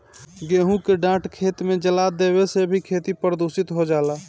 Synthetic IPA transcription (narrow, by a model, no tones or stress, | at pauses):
ɡeɦũkeɖãʈkʰet̪med͡ʒəlad̪ebesebʱikʰet̪ipɾəd̪usit̪ɦod͡ʒala